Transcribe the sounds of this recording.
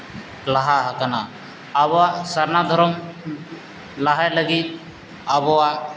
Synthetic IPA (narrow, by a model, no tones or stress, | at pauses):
laɦaɦakana | abɔwasaɾnad̪ʱɔɾɔm | laɦajləɡit̪̚ | abɔwa